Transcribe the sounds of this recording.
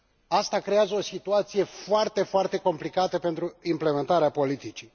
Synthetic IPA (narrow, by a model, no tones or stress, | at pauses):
ast̪akɾejazəo̞sit̪uat̪sije̞foart̪e̞foart̪e̞ko̞mplikat̪əpe̞nt̪ɾuimple̞me̞nt̪aɾeapo̞lit̪it͡ʃi